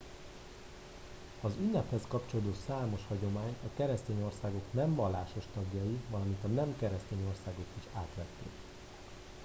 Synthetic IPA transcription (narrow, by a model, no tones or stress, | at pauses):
ɒzynːɛphɛskɒpt͡ʃo̞lod̪osaːmo̞ʃhɒɟo̞maːɲt̪ɒkɛɾɛst̪eːɲo̞rsaːɡo̞knɛɱvɒlːaːʃo̞ʃt̪ɒɡjɒjivɒlɒmint̪ɒnɛmkɛɾɛst̪eːɲo̞rsaːɡo̞kiʃaːt̪ʋɛt̪ːḛːk